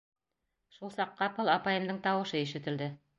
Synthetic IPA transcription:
ʃulˠsɑqːɑpɤlˠɑpɑjɤ̆md̪ɤɴt̪ɑwɤ̆ʃɤiʃɘ̆t̪ɘ̆ld̪ɘ

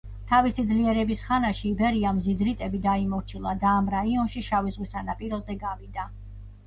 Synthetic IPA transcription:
t̪ʰavisid̪zliɛɾɛbisχanaʃiːbɛɾiamzid̪ɾit̪ʼɛbid̪aimɔɾt͡ʃʰilˠad̪aːmɾaiɔnʃiʃavizʁwisanapʼiɾɔzɛɡavid̪a

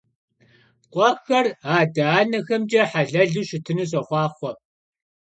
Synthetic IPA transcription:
qʷʼɑxɐraːdɐaːnɐxɐmd͡ʒɐħaɮɐɮuːʃɪtʰɨnuɕ̬ʼɐχʷɑːχʷɔ

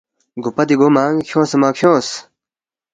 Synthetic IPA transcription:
ɡupɐd̪iɡoːmaːŋkʰjõːsemaːkʰjõːs

